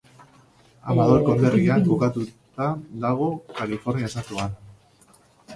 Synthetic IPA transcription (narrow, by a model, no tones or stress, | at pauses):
amaðoɾkond̪erianbukat̪ut̪ad̪aɣ̞o̞kalifo̞ɾniaesat̪uan